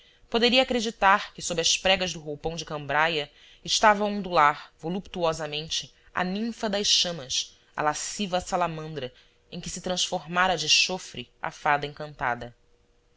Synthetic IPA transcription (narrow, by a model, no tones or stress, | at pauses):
pod̪eɾiɐakɾed͡ʒit̪aɾkɪsobɾɪɐspɾɛɡɐzd̪ʊɦowpɐ̃w̃d͡ʒɪkɐ̃mbɾajɐ | ɪʃt̪avɐũnd̪ulaɾvolupt̪uɔzɐmẽnt͡ʃɪ | a̰nĩfɐd̪ɐjsʃɐ̃mɐs | ɐ̰lasivɐsalamɐ̃nd̪ɾɐ | ẽj̃kɪsɪt̪ɾɐ̃sfoɾmaɾɐd͡ʒɪʃofɾɪa̰fad̪ɐẽŋkɐ̃nt̪a̰d̪ɐ